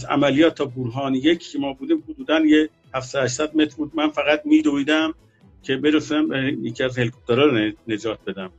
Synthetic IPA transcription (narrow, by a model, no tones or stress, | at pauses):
zæ̰mælijɒːt̪ʰːɒːbuɾɦɒːnijecʰːcʰemɒːbuːd̪iːmhod̪uːd̪ænje | hæfsɒd̪hæʃ̬sæd̪̚met̪ɾbuːd̪̚mænfæɣæt̪̚miːd̪oiːd̪æm | cʲʰe̞be̞ɾesunæmbejecʰiæzhelkʰop̚t̪ʰeɾɒːɾned͡ʒɒːt̪̚be̞d̪æm